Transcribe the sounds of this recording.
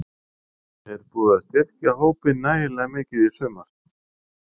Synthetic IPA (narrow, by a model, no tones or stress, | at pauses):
θɛɾpuːðaðst̪jɛt̪cahoːwpɪnːaːjɪlɛɣamɪːcɪði̥sʏːmaɾ̥